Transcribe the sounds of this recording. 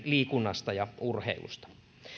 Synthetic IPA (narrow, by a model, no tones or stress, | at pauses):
liːkunːɑst̪ɑjɑurheilṵst̪ɑ̥